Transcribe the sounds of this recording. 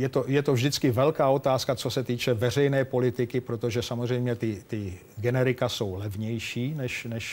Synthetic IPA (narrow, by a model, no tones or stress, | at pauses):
jɛt̪o̞jɛt̪ovʒdɪt͡skɪvɛlkaːʔo̞t̪aːskat͡so̞sɛt̪iːt͡ʃɛvɛr̝ɛjnɛːpo̞lɪt̪ɪkɪpɾot̪o̞ʒɛsamozr̝ɛjmɲɛt̪ɪt̪ɪ | ɡɛnɛɾɪkaso̞wlɛvɲɛjʃiːnɛʃnɛʃ